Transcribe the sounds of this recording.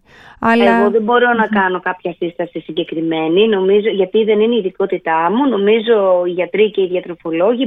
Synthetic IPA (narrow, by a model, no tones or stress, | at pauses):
ɐleɣo̞ðe̞bo̞ɾo̞nɐkɐno̞kɐpçɐsist̪ɐsisiɲɟe̞kɾime̞nino̞mizo̞ʝɐt̪iðe̞nineiðiko̞t̪it̪ɐmuno̞mizo̞iʝɐt̪ɾiceiðʝɐt̪ɾo̞fo̞lo̞ʝi